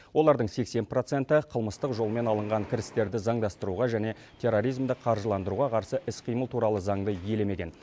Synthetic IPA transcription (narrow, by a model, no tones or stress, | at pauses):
wʔo̞lˠɑɾd̪əɴse̞kse̞npro̞t̪se̞nt̪ɪqʰəlˠməst̪əqʒo̞lˠme̞nɑlˠəɴʁɑŋkʲʰɪɾɪst̪e̞ɾd̪ɪzɑɴd̪ɑst̪əɾuʁɑʒæne̞ | t̪ʰe̞ro̞ɾijzmd̪əqʰɑɾʒəlˠɑnd̪əɾuʁɑqʰɑɾsəʔɪsqʰijməlˠt̪ʰuɾɑlˠəzɑɴd̪əje̞leme̞kʲe̞̰n